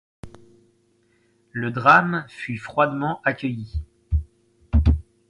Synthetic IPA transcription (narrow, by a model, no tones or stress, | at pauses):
ləd̪ʁamfyfχwad̪mɑ̃ʔakʲəji